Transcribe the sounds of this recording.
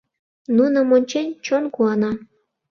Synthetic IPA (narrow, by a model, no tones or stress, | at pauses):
nunomonʲt͡ɕenʲt͡ɕonkuɑnɑ